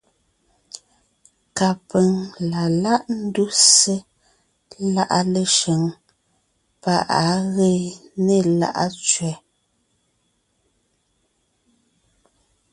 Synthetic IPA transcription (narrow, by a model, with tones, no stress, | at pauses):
ka˨pə˨ŋla˨la˦ʔn̩˦du˦se˦ | la˦˨ʔa̰˦le˨ʃe˨ŋ | pa˦ʔa˨˦ɣe˦ne˦˨la̰˦ʔa̰˦t͡ʃɥɛ˨˦